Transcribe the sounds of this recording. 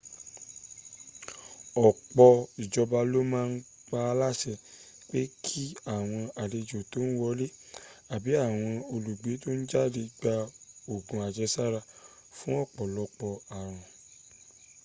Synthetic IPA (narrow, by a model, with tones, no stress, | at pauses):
ɔ˨k͡pɔ˧i˨d͡ʒɔ˧ba˧lo˦mãː˦˧n̩˦ | k͡pa˧la˦ʃɛ˧˨ | k͡pe˦kʰi˦a˦˨w̃ɔ̃˧a˨de˧d͡ʒo˨to˨˦n̩˦wɔ˧˦le˦a˨bi˨˦a˦˨w̃ɔ̃˧o˧lu˨ɡ͡be˨˦to˦n̩˦d͡ʒa˦˨de˧ɡ͡ba˧o˨ɡũ˨a˨d͡ʒɛ˧˦sa˦˨ɾa˧fũ˦ɔ˦˨k͡pɔ˨lɔ˨˧k͡pɔ˧a˨ɾ̃ɔ̃˨